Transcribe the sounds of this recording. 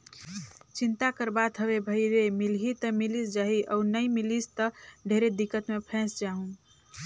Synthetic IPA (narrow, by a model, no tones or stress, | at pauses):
t͡ʃint̪akəɾbat̪ɦəbebʱəjɾemilɦit̪əmilisd͡ʒaɦiʔɔunəjmilist̪əɖʱeɾed̪ikːət̪mepʰɛ̃sd͡ʒaɦũ